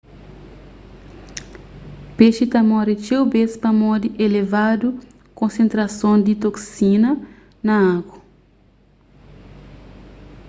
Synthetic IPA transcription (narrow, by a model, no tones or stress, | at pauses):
peʃit̪ɐmɔɾit͡ʃewbespɐmɔd̪iʔelevad̪u | kõnsẽnt̪ɾɐsõnd̪it̪oksinɐ | nɐakwɐ